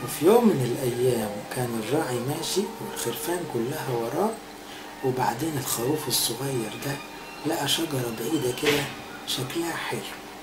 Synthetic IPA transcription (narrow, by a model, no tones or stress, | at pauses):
wefijoːmːɪnelʔæjːæːmkæːnerˤːɑːʕimæːʃiwelxeɾfæːnkʊlːæɦæwɑɾˤɑːʕ | weba̰ʕd̪eːnelxæwuːfesːʊɣæjːɑɾˤd̪æ | læʔæʃɑɡɑɾˤɑbaʕiːd̪æked̪æ | ʃæklæhæħelː